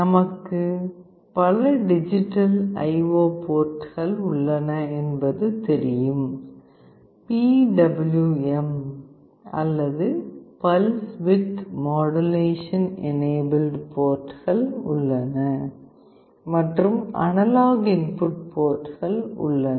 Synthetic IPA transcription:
nɐmɐkːɯ | pɐlɐɖɪd͡ʒɪʈːɐlɐ̰ɪʋoːpoːʈɣɐɭʊɭːɐnɐɛnbɐðɯt̪ɛɾɪjɯm | piːɖɐbɐljuɛm | ɐ̰lːɐðɯpɐlsʋɪt̪moːɽɐleːʂɐnɛ̰neːbɐlɖpoːʈɣɐɭʊ̰ɭːɐnɐ | mɐʈrɯmɐ̰nɐlaːɣɪnpʊʈ̚poːʈːɣɐɭʊ̰ɭːɐn

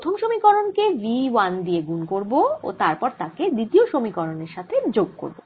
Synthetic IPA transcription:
ɾt̪ʰomʃomikɔɾonkeɾiwand̪ijeɡunkoɾboo̰t̪aɾpɔɾt̪aked̪it̪ioʃomikɔɾoneɾʃat̪ʰed͡ʑoɡ̚ko̰ɾbo

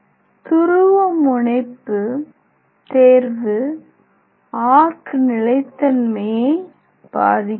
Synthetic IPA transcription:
t̪ʊɾɯʋɐmʊɳɐɪpːɯ | t̪eːɾʋɯ | aːɾkɯnɪlɐɪt̪ːɐnmeː | b̥a̰ːðɪkː

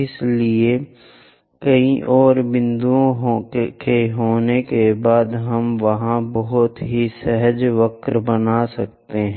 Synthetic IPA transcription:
ɪslie | kɐiʔɔːɾbɪ̃nd̪uõɦkeɦoːnekebaːd̪ɦɐmʋɐɦãbɔɦʊt̪ɦisɛɦəd͡ʒʋɐkɾbɐnasɐk̚t̪eɦɛ̃ː

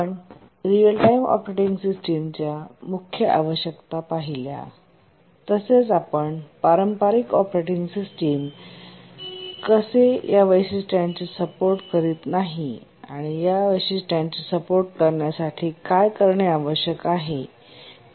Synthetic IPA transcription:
əɳ | ɾiəlʈaimɔ̰pɾeʈiŋɡsisʈimt͡ɕjamukʰjəʔa̰ʋəɕjəkt̪apaɦilja̰ | t̪əset͡sapəɳpaɾəmpaɾikɔpɾeʈiŋɡsisʈim | kəsejaʋəjsisʈjãnt͡ɕisəpoɾʈkəɾiːt̪naɦi | aɽ̃ijaʋəjsisʈant͡ɕisəpoɾʈ̚kəɾɳjasaʈʰiːkajkəɾɳeaʋəɕjəkaɦe

